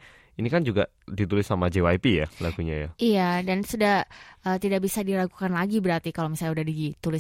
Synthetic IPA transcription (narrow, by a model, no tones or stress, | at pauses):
inikand͡ʒuɡa | dit̪ulɪsːamad͡ʒewajpija̰laɡuɲaja̰ijadansudahʔəːt̪idabisadilaku̥kanlaɡibəɾart̪ikalomisalɲaudahdit̪ulɪs